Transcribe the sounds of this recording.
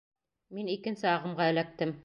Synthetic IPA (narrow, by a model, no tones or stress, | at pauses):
minikɘ̆nsɘɑʁɤ̆mʁɑɘ̆læk̚t̪ɘm